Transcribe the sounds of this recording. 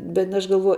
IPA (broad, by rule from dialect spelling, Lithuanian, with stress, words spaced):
bʲɛt ɐʃ ɡɐlˠˈʋuɔj